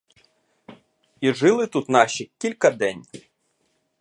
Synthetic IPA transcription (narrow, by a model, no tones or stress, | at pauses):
iʒɪlˠɪt̪ut̪nɑʃikʲilʲkɐd̪ɛnʲ